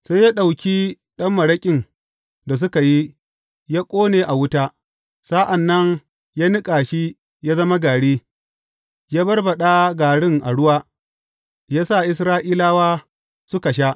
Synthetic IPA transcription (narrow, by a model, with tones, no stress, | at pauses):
sa˦jːa˦ɗa˨wkʲi˦ | ɗɐ˦mːɐ˨ɽɐ˦kʲʼɪ˨n | da˨s̬ʊ˦ka˨ji˦ | jaː˦kʷʼoː˦neː˨ʔa˨wʊ˦ta˦ | sa˦ʔa˨nːɐ˦ŋ | jaː˦nɪ˦kʼaː˨ʃi˦ | jaː˦zɐ˦ma˦ɡaː˨ɽiː˦ | jaː˦bɐ˦rbɐ˨ɗaː˦ɡaː˨ɽɪ˦ŋʔa̰˨ɽʊ˦waː˦ | jaː˦sa˦˨ʔɪ˦s̬ɾaː˦ʔiː˦laː˦waː˦ | sʊ˦ka˨ʃ̬a˦